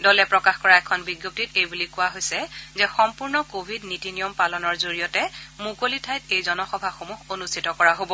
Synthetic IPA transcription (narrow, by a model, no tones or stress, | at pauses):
dɔlɛpɹɔkaxkɔɹaɛkʰɔnbiɡjop̚titejbulikʊwaɦojsɛzɛxɔmpuɹnɔkobʱidnitinijɔmpalɔnɔɹzoɹijɔtɛmukolitʰajtejzɔnɔxɔbʱaxomuɦonustʰitɔkɔɹaɦobɔ